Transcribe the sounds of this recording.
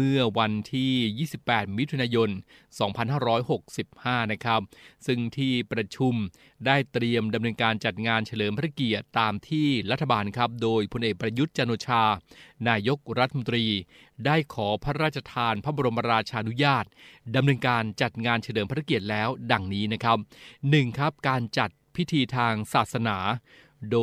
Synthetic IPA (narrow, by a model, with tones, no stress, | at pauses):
mɯ˥˩ɐwa˧nt̪ʰiː˥˩jiː˥˩si˨˩pːɛː˨˩t̪̚mi˦˥t̪ʰu˧naː˧jo˧n | sɔː˩˦ŋpʰa˧nhɦaː˥˩ɾɔː˦˥jho˨˩k̚si˨˩p̚haː˥˩na˦˥kʰa˦˥p̚sɯ˥˩ŋt̪ʰiː˥˩pɾa˧t͡ɕʰu˧m | daː˥˩jt̪ɾi˧əmda˧mnɤː˧nkaː˧nt͡ɕa˨˩t̪̚ŋaː˧nt͡ɕʰa˧lɤː˩˦mpʰa˧˥ɾʰa˦˥ki˨˩ət̪ːaː˧mt̪ʰiː˥˩ɾa˦˥t̪ʰːa˧baː˧nkʰɾa˦˥p̚doː˧jpʰo˧nʔeː˨˩k̚pɾa˧ju˦˥t̪̚t͡ɕa˧noː˧t͡ɕʰaː˧naː˧jo˦˥k̚ɾa˦t̪ʰːa˧mo˧nt̪ɾiː˧ | daː˥˩jkʰɔː˩˦pʰa˦˥ɾaː˥˩t̪̚t͡ɕʰa˧t̪ʰaː˧npʰa˦˥ba˧ɾo˧ma˧ɾaː˧t͡ɕʰaː˧ʔnu˦˥jaː˥˩t̪̚da˧mnɤː˧nkaː˧nt͡ɕa˨˩t̪̚ŋaː˧nt͡ɕʰa˧lɤː˩˦mpʰa˥a˦˥ki˨˩ət̪̚lɛː˦˥wda˨˧˩ŋniː˦˥na˦˥kʰɾa˦˥p̚nɯ˨˩ŋkʰɾa˦˥p̚kaː˧nt͡ɕa˨˩t̪̚pʰi˦˥t̪ʰiː˧t̪ʰaː˧ŋsaː˨˩t̪̚sa˧naː˩˦ | doː˧